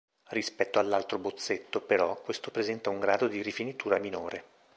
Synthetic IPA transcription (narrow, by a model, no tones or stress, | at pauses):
rispɛt̪ːoalːalt̪ɾobot̪sːet̪ːopeɾɔkwest̪opɾezɛnt̪auŋɡɾaːd̪od̪iɾifinit̪uːɾaminoːɾe